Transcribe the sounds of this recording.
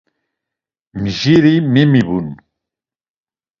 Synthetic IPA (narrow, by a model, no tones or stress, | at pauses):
miʒiɾimimiβun